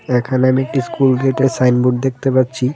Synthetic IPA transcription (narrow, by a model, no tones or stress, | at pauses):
ɛkʰaneamiek̚ʈiskulɡeʈesajnbuʈ̚d̪ek̚t̪epatːɕʰi